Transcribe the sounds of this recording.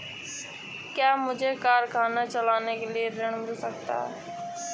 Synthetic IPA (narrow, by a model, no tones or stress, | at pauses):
kjaːmʊd͡ʒʱekaːɾkʰaːnat͡ʃəlaːnekelieɾeɽ̃mɪlsək̚t̪a̰ːɦɛ